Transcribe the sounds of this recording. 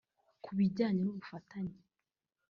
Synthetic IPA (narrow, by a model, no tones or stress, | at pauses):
kʰuβiɟaːɲenuβufatʰaɲe